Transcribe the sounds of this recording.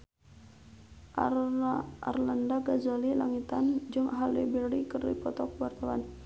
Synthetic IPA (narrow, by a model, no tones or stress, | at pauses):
a̰rlandaɡazolilaŋit̪and͡ʒɨŋaɦalibirdikɨrdḭpɔt̪ɔk̚wart̪awa̰n